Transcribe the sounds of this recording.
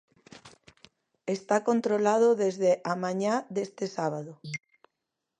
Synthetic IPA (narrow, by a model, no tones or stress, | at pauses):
est̪akont̪ɾolað̞oðezðeʔamãɲad̪est̪esaβ̞aðo